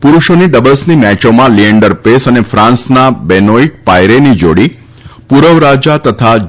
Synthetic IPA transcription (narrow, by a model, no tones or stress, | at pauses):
puɾuʃoniɖəbəlsnimɛt͡ʃomãliəɳɖəɾpesənefɾãnsnabɛnoik̚pajɾenid͡ʒoɽi | puɾəʋɾad͡ʒat̪ət̪ʰa